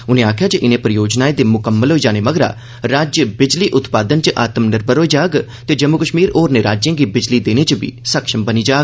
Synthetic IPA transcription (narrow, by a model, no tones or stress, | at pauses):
ʊnẽːaːkʰjaːd͡ʒəʔɪnẽːpɾəjoːd͡ʒnaːed̪eːmʊkəmːəlɦoːiːd͡ʒaːneːməɡɾa̰ː | ɾaːd͡ʒjəbɪd͡ʒliːʔʊt̪paːd̪ənt͡ʃəʔaːt̪əmnɪɾbəɾɦoːiːd͡ʒaːɡt̪eːd͡ʒəmːʊkəʃmiːɾoːɾneːɾaːd͡ʒjẽːɡiːbɪd͡ʒliːd̪eːneːt͡ʃəbḭːsəkʃəmbəniːd͡ʒaːɡ